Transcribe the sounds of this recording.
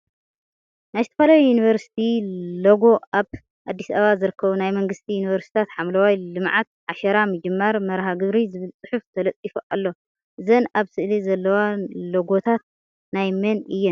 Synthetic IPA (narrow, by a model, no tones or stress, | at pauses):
najzɨt̪ʰɐfɐlajujuniβɐɾsi̥t̪ʰiloɡo̞ʔaβ | ʔad̪ːisɐaβazɨɾɨkʰːɐβunajmɐŋɡɨst̪ʰijuniβɐɾst̪i̥t̪ʰat̪ħamlɐwajlɨmʕat̪̚ʕaʃɐɾamɨd͡ʒɨmːaɾmɐɾɦaɡɨβɾizɨβɨlt͡sʼɨħuft̪ʰɐlɐt͡s̪ʼifuʔalːo̞ | ʔɨzɐnaβsɨʔlizɐlːɐwaloɡo̞t̪ʰat̪̚ | najmɐnɨjːɛn